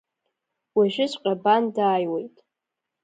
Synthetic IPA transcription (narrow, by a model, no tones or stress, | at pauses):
waʒᶣɪzʷʼqʲʼabandaːjwe̞jtʼ